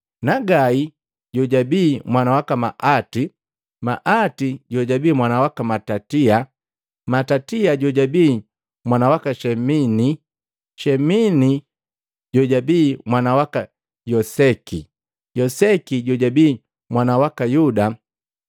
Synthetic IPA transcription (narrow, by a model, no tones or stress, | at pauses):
naɡai | ɟɔɟabiːmwanawakamaʔati | maʔatiɟɔɟabiːmwanawakamatatia | matatiaɟɔɟabiː | mwanawakaʃɛmini | ʃɛmini | ɟɔɟabiːmwanawaka | jɔsɛki | jɔsɛkiɟɔɟabiː | mwanawakajuda